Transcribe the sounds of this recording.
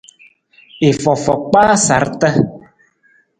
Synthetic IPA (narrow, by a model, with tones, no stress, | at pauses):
e˨fɔ˨fɔ˨k͡pa˦sa̰˨˦ɾt̪ə˦